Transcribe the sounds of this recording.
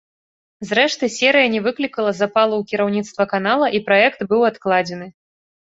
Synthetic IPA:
zɾɛʂt̪ɨsʲɛɾɨjɐnʲɛvɨklʲikɐlˠɐzapalˠuwkʲiɾawnʲit̪st̪vɐkanalˠɐʔipɾaɛkt̪bɨwat̪klˠad͡zʲɛnɨ

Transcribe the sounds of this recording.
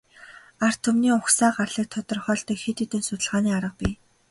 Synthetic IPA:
ar̥t̪ʰɵmniːʊxsaːɢarɮiːk̚t̪ʰɔt̪ɞ̆rχœːɬt̪ɞ̆ːkxet̪iːt̪ɘ̆nsʊt̪ə̆ɮʁaːniːaɾə̆q̚piː

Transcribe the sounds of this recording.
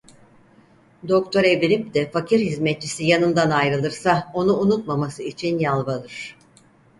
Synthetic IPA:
d̪o̞k̚t̪ʰo̞ɾeviɾip̚d̪ɛfacʰiɾhizmɛt̪̚t͡ʃisijanɯnd̪anajɾɯlˠɯɾsao̞nuːnut̪mamasɯit͡ʃʰinjalˠbalˠɯɾ̝̥

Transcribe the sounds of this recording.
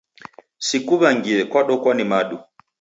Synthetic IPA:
sikuβaŋɡiɛkwaɗɔkwanimaɗu

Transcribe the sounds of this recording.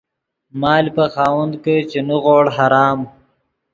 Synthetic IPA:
mɑːlpəxaːwɐnd̪ket͡ʃenuɣoːɽɦaɾɑːm

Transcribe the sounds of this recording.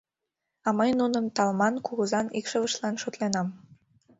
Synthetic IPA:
ɑməjnunəmt̪ɑlmɑnkuɣəzɑnikʃəβəʃlɑnʃot̪lenɑm

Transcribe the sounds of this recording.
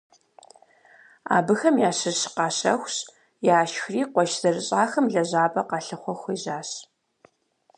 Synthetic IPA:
a̰ːbɨxɐmjaːɕɨɕqɑːɕɐ̰xʷɕ | jaːʃxriːqʷɔʃz̥ɐrɨɕʼaːxɐmɮɐʑaːpʼɐqɑɬɨχʷɔxʷiːʑaːɕ

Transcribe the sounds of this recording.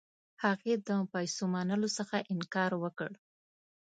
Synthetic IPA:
haɣed̪əpajsomanəlosəxaʔɪnkɑɾwəkəɽ

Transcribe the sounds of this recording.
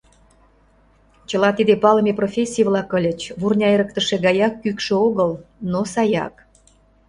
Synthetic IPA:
t͡ɕə̆lɑt̪id̪epɑləmeprofʲesʲːijəvlɑkəlʲə̆t͡ɕβurnʲɑeɾək̚t̪ə̆ʃĕɣɑjɑkːykʃĕoɣəlnosɑjɑ̰k

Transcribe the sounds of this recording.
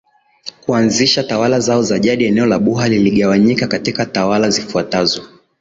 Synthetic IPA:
kuanziʃatawalazaɔzaʄaɗiɛnɛɔlaɓuɦaliliɠawaɲikakatikatawalazifuatazɔ

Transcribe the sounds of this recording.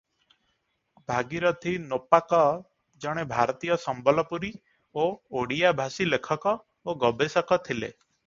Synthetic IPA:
bʱaɡiɾɔt̪ʰinopakɔ | d͡ʒɔɽ̃ebʱaɾɔt̪ijɔsɔmbɔlɔpuɾi | ooɽijabʱasilekʰɔkɔ | oɡɔbesɔkɔt̪ʰilḛ

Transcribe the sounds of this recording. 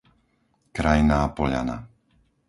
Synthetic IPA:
kɾajnaːpɔʎa̰na̰

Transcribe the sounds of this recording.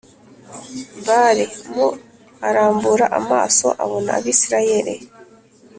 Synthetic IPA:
mbaɾemu | aɾaːmbuɾaʔama̰ːso̞̰ʔa̰βona̰ːβiːsiɾajeɾḛ

